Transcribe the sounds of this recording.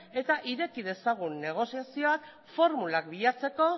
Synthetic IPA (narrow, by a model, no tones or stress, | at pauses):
e̞t̪aʔiɾe̞kiðe̞saɣ̞unːe̞ɣ̞o̞siasio̞ak | fo̞ɾmulak̚biʎat͡se̞ko̞